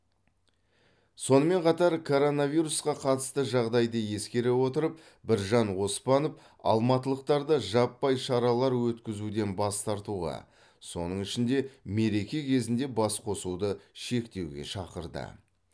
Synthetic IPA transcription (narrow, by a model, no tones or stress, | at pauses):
so̞nəme̞ɴqʰɑt̪ɑɾkʰo̞ɾo̞naviɾusqɑqʰɑt̪ə̥st̪əʒɑʁd̪ɑjd̪əje̞skʲe̞ɾe̞wo̞t̪əɾəp̚ | bɪɾʒɑnwo̞spɑnəp | ɑ̰lˠmɑt̪əlˠəq̚t̪ɑɾd̪əʒɑpːɑjʃɑɾɑlˠɑɾwɵt̪kʲɪzud̪e̞nbɑst̪ɑɾt̪uʁɑ̰ | so̞̰nəɴɪʃɪnd̪e̞me̞ɾe̞kʲe̞kʲʰe̞zɪnd̪e̞bɑsqʰo̞sud̪əʃe̞kt̪e̞wɡʲe̞̰ʃɑqəɾd̪ə̰